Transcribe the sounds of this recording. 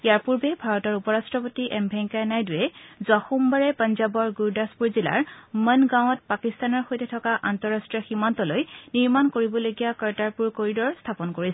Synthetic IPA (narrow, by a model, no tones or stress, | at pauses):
ijaɹpuɹbɛbʱaɹɔtɔɹupɔɹastɹɔpotiʔɛmbʱɛŋkanajdujɛzwaxumbaɹɛpənzabɔɹɡuɹdaspuɹzila̰ɹmənɡãw̃ɔt̚pakist̪anɔɹxojtɛtʰɔkaʔantɔɹastɹiɔximantɔlojniɹmankoɹibɔlojɡijakaɹtaɹpuɹkoɹidɔɹstʰapɔnkoɹis